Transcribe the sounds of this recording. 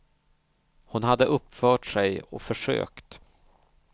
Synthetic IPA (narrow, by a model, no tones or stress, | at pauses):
hʊnɦad̪ːəʔɵpːfœːʈʂɛjɔ̰fœʂø̰ːkt̪